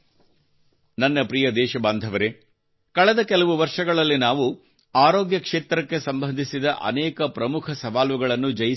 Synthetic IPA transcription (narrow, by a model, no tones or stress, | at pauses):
nɐnːɐpɾijɐd̪ɛːʃɐbaːnd̪ʱɐʋɐɾe | kɐɭɛd̪ɐkɛlɐʋuʋɐɾʂɐɡɐɭɐlːinaːʋu | aːɾoːɡjɐkʂeːt̪ɾɐkːe̞sɐmbɐnd̪ʱisid̪ɐʔɐ̰nɛːkɐpɾɐmukʰɐsɐʋaːlʋuɡɐɭɐnːud͡ʒɐji